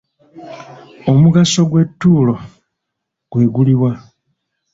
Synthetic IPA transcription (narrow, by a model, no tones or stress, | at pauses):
o̞muɡaso̞ɡwe̞tːuːlo̞ | ɡ̥we̞ːɡuliwa